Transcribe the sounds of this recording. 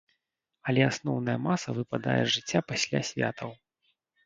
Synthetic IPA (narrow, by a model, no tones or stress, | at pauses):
ɐlʲɛasnɔwnɐjɐmasɐvɨpad̪a̰jɛ̰ʐɨt͡sʲːapasʲlʲa̰sʲvʲa̰t̪ʰɐw